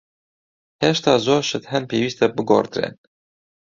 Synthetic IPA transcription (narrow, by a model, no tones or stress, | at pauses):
heʃt̪ɑːzoːɾʃɨt̪ɦɛnpʰeːwiːst̪ɛbɨɡo̰ːɾt̪ɨɾḛːn